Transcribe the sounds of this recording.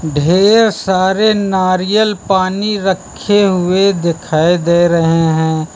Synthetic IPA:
ɖʱeːɾsaːɾenaːɾijəlpaːniɾəkʰːeɦʊed̪ɪkʰaːed̪eːɾɐɦeɦɛ̃ː

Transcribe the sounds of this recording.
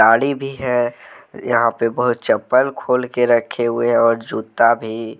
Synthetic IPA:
aːɽibʱiɦɛjɐɦãpebəɦʊt̪̚t͡ʃəpːəlkʰoːlkeɾəkʰeɦʊeɦɔːɾd͡ʒuːt̪abʱi

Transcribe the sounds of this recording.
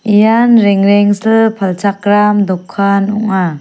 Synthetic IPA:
ijanɾɛŋɾɛŋsɯpʰalt͡ʃʰak̚ɾamd̪ɔkʰːanɔ̰ŋa

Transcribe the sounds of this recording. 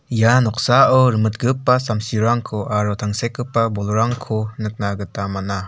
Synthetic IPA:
janɔk̚saɯɾɯmɯt̚ɡɯpːasamsiɾaŋkʰɔʔaɾɔtʰaŋsekɯpːabɔlɾaŋkʰɔnɯk̚naɡɯtamana

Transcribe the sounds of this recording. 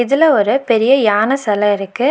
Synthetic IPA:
ɪðɪlɐɔɾɯpɛɾɪjɐjaːnɐsɐlɐɪɾɯkːɯ

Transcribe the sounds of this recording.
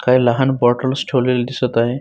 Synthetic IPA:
kajlaɦanbɔʈəlsʈʰolild̪isət̪ae

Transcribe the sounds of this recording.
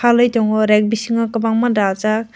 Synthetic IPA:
alɯjtɔŋɔɾɛk̚bisiŋakabaŋmadazak̚

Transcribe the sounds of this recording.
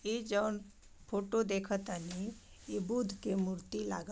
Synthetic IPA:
ed͡ʒəːn | pʰoːʈod̪ekʰət̪əni | ebud̪ʱkemuɾt̪ila̰ːɡ

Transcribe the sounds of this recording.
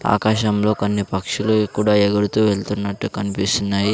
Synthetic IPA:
a̰kaɕamlokanːipɐkʂilokuɽajeɡəɽt̪uʋelt̪unːaʈ̪ukɐnpjisnːaɦi

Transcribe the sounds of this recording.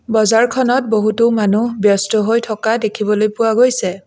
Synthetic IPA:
bɔzaɹkʰɔnɔt̚boɦutʊmanubjɔstɔɦojtʰɔkadekʰibɔlojpʊwaɡojsɛ

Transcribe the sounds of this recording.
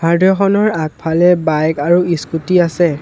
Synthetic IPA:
bʱaɹdʱɔxɔnɔɹak̚pʰalɛbajkaɹuiskutiasɛ

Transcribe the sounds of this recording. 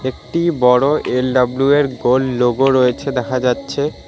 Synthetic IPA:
ekʈibɔɽoʔelɖablueɾɡolːoɡoɾojet͡ɕʰed̪ɛkʰad͡ʑatːɕʰe

